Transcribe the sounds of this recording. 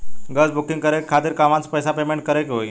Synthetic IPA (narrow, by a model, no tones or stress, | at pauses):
ɡət͡sbuk̚ʈiŋɡkəɾekkʰat̪iːɾkamãt͡spəjsapemeɳʈ̚kəɾekɦoj